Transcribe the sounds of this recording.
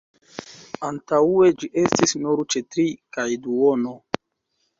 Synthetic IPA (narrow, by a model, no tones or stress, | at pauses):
antaue̞d͡ʒiʔe̞stisnuɾt͡ʃe̞tɾikajduono